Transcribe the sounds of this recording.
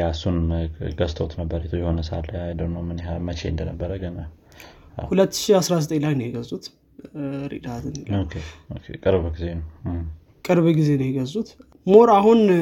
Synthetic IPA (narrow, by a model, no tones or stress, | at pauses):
jasunɡəst̪ʰot̪nəbːəɾet̪ʰojɛho̞nəsa̰lːəajd̪əwnəwmɨnhamət͡ʃḛɨnd̪ənəbːəɾəɡəna | hulət̪ːɨ̥ʃiasɾazət̪ʼelajnɛɡəzut̪ | ɾḭd̪at̪ʰɨnokʰeokʰekʼɨɾbbɡizen | kʼɨɾβɡize̞njɛɡəzut̪ | moɾaɦun